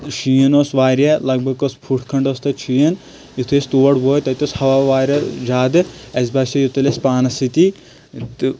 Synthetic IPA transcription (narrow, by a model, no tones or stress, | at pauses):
ʃijɐnoːsʋaːɾɐlɐɡ̚bʱɐɡospʰuʈʰkʰɐɳɖost̪ɐt͡ʃʰijɐn | it̪ʰest̪uːɐɽboːjt̪ɐt̪oshɐʋaːʋaːɾʲɐd͡ʒaːd̪ɨɐsbaːsʲɐjut̪ɐlʲespaːnɐsit̪i | t̪ɨ